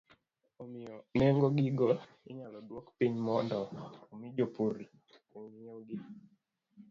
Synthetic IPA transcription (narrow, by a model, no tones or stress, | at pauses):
omɪɔnɛŋɡoɡiɡɔ | ɪ̰ɲalɔdwɔkpiɲmɔndɔomid͡ʒopuɾ | oŋijeɡi